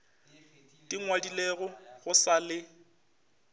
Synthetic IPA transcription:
tʼiŋwadileɣʊɣʊsalɪ

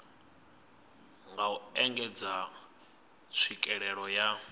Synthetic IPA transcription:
ŋɡauɛŋɡɛd͡za | t͡sʰwikʼɛɺɛɺɔja

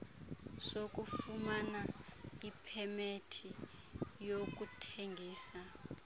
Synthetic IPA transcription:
sok̬ʼufumanaipʰɛmetʰi | jok̬utʰeŋɡʱiːsa

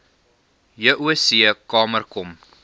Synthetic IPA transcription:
jəʔuəsiəkɑːmərkɔm

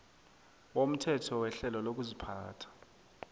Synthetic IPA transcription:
wom̩tʰɛtʰɔwɛɬɛlɔlok̬uzipʰaːtʰḁ

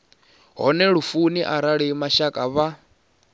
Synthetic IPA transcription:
ɦɔ̰nɛɺufuniʔaɾaɺimaʃakʼaβa

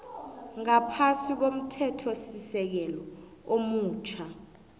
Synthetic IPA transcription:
ŋapʰasik̬om̩tʰɛtʰosisɛk̬ɛlɔ | omuːt͡ʃʰa

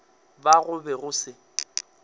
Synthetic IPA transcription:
baɣʊbɛɣʊsɪ

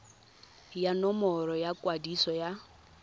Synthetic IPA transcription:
janɔmɔɾɔjakʼwadisɔja

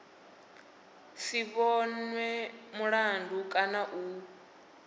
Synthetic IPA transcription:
siβɔnwɛmuɺandʱukʼanaʔu

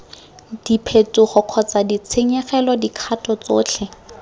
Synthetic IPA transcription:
d̥ipʰetʼuχɔq͡χʰɔt͡sadit͡sʰeɲɛχɛlɔdikʰatʼɔt͡soːt͡ɬʰɛ

